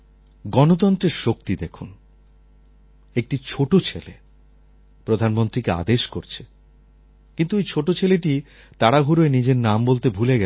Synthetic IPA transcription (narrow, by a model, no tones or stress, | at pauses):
ɡɔnot̪̬ɔnt̪ɾeɾʃok̚t̪id̪ekʰun | ek̚ʈit͡ɕʰoʈot͡ɕʰelḛ | pɾod̪ʱanmont̪ɾikea̰d̪eʃkoɾt͡ɕʰe̥ | kint̪uejt͡ɕʰoʈot͡ɕʰeleʈi | t̪aɽaɦuɾoenid͡ʑeɾnambolt̪ebʱuleɡɛ